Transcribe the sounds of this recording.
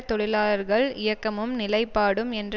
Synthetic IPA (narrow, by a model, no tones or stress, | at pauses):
t̪ːɔɽɪlaːlɐɾɣɐɭɪjɐkːɐmɯmnɪlɐɪpːaːɽɯmɛndr